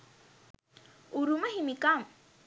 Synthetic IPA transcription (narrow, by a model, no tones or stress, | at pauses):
uɾuməɦimikam